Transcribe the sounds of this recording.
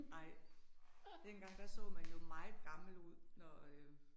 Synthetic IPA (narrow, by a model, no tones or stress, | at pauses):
nɑ̈ɪ̰ | d̥enɡ̥ɑ̈ŋ̰d̥æsɔ̰̽ːmænjo̝mɑ̈ɪð̩ˠɡ̥ɑ̈ml̩uð̞̰ˠnɒ